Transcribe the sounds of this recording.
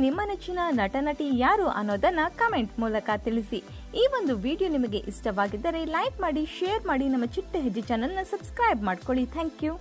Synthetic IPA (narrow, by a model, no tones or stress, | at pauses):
nimːɐnet͡ʃːinɐnɐʈɐnɐʈijaːɾuːʔɐ̰nːoːd̪ɐnːɐkɐmeɳʈmuːlɐkɐt̪iɭisi | iːʋo̞nd̪uʋiːɖijonimɐɡe̞ʔisʈɐʋaːɡid̪ːɐɾe̞lɐjkmaːɽiʃejɐɾmaːɽinɐmːɐt͡ʃiʈːɦed͡ʒit͡ʃɐːnɐnːɐsɐbskɾɐjbmaːɖkoɭit̪ʰaːŋkjuː